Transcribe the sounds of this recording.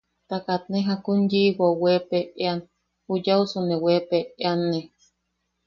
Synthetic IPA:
t̪akat̪̚neɦakunjiwawepeean | hujausunewepeeanːe

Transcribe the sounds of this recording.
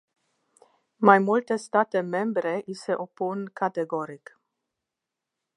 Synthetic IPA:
majmult̪e̞st̪at̪e̞me̞mbɾe̞ʔise̞ʔo̞punkʰat̪e̞ɡoɾik

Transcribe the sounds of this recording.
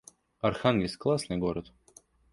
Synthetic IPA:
ɐrxanɡʲlʲɪsʲklˠasnɨjɡoɾət̪

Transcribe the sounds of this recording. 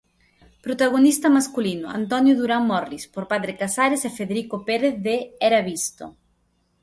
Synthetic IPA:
pɾot̪aɣ̞onist̪ɐmaskulinʊa̰nt̪ɔnjoðuɾaŋmɔrispoɾpaðɾɪkasaɾesefeðeɾikopeɾeθðeɛɾaβist̪o̰

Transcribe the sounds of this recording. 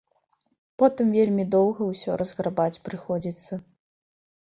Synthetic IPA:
pɔt̪ɨmvʲelʲmʲid̪ɔwɣɐwsʲɔ̰ɾɐzɣɾabat͡sʲpɾɨxɔd͡zʲit̪sːɐ

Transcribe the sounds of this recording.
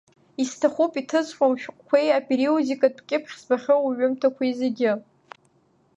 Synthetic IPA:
istʰaχupʼitʰɨzħʷawʃᶣqʷʼkʷʰejapʼeɾiozikʼapkʲʼɪpʰχʲzbaχʲowuɥʊmtʰakʷajzeɡʲɪ

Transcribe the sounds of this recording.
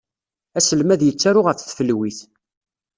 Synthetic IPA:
æsəlmæðjət͡sːæɾʊʁəθθfəlwiθ

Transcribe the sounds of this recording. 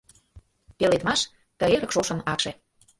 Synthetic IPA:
pelet̪mɑʃ | t̪ə̆eɾə̆kʃoʃə̆nɑkʃe

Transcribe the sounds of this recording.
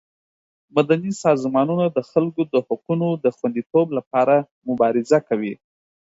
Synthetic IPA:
mad̪anisɑzmɑnunad̪əxalkod̪əhaqunod̪əxwand̪it̪oblapɑɾa | mʊbɑɾɪzakawi

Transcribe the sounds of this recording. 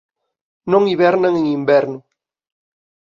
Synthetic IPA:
nõŋiβɛɾnaŋeŋimbɛɾnʊ

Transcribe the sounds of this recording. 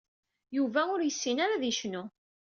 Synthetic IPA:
juvæʊɾjəsːinaɾaðiʃnu

